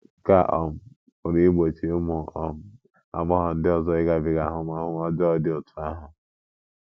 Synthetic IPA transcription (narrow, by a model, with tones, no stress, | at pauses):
ka˦ʔɔ˨m̩˦˨ | o˨ɾi˦i˦ɡ͡bo˨t͡ʃi˨˦ʊ˦mʊ˨ʔɔ˨m̩˦ | a̰˨ɡ͡bɔ˦ɦɔ˨n̩˦dɪ˦ɔ˨zɔ˦ɪ˦ɡa˨bɪ˨ɡa˨ɦʊ˦m˦a˦ɦʊ˦m˦ɔ˦d͡ʒɔ˦dɪ˦o˨tʊ˨a˦ɦʊ˨